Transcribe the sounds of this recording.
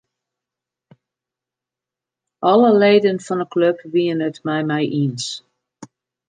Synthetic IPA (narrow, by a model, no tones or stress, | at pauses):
ʔɔləleːdənfɔnəkløpʋiənətmɛjmɛjʔins